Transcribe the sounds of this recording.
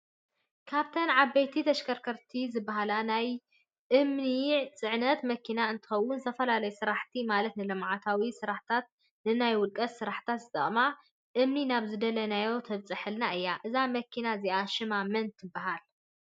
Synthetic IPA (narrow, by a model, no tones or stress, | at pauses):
kʰaβt̪ʰɐnʕabɐjt̪ʰit̪ʰɐʃkʰɐɾkʰɐɾt̪ʰizɨbːaɦalanaj | ʔɨmniʕt͡sʼɨʕnɐt̪mɐkʰinaɨnt̪ʰɨ̥xɐwːʊnt̪ʰɐfɐlalɐjusɨɾaħt̪ʰimalɐt̪nɨlɐmʕat̪ʰawisɨɾaħt̪ʰat̪̚ | nɨnajwʊlkʼɐssɨɾaħt̪ʰat̪zɨt̪ʼɐ̰χʼma | ʔɨmninaβzɨd̪ɐlɐnajo̞t̪ʰɐβt͡sʼɨħɨlnaʔɨjːaʔɨzamɐkʰːinaziʔaʃɨmamɐnt̪ʰːɨbːaɦal